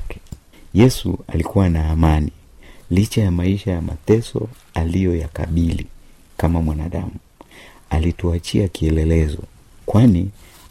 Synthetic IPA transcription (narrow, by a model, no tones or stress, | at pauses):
kɛ̥ | jɛsṵa̰likuwanaːmani | lit͡ʃajamaiʃajama̰tɛsɔ̰ | alijɔjaka̰ɓilḭ | kamamwanaɗa̰mu | alituat͡ʃiakiɛlɛlɛzɔ̰ | kwani